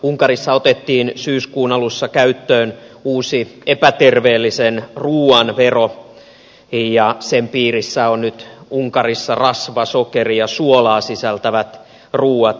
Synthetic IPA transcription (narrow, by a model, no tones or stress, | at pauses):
uŋkɑrisːɑot̪et̪ːiːnsyːskuːnɑlusːɑkæyt̪ːøːnuːsiepæt̪erʋeːlːisenruːɑnʋero | jɑsempiːrisːæonnyt̪uŋkɑrisːɑrɑsʋɑsokerijɑsuolɑːsisælt̪æʋæt̪ | ruːɑt̪